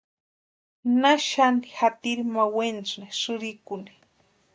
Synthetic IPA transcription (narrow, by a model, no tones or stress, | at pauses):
naʃanixat̪iɾimawent͡sneʂɨɾikuni̥